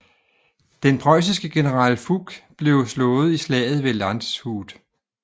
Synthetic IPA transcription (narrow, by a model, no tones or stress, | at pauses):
d̥enpʰʁɒ̽ɪs̬isɡ̥əɡ̥e̝nəʁɑ̰̈ːlfuɡ̥b̥le̝ʊslɔ̽ːð̞̩ˠislɛ̰ːð̞̩ˠʋe̝lɑnd̥shuːd̥